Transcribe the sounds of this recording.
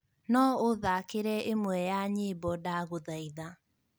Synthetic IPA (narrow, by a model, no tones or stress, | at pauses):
nɔoðakeɾɛʔemwɛjaɲeːbɔdaɣoðaiða